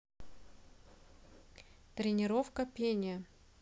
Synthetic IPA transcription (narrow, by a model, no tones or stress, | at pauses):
t̪ɾʲɪnʲɪɾofkəpʲenʲɪjə